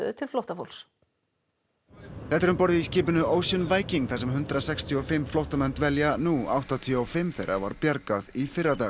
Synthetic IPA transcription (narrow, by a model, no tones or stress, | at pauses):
ʏ̰t̪ʰɪlflowht̪afo̰wls | θɛht̪ːɛɾʏmpɔɾðɪisciːpʏnʏoːwsjɔnvaːjciŋkθasɛmɦʏnt̪ɾasɛkst̪ʰiɔfɪmːflowht̪amɛnt̪vɛljanua̰wht̪at̪ʰijɔɔwfɪmːθejɾa̰va̰ɾpjaɾkaðifɪrːat̪aː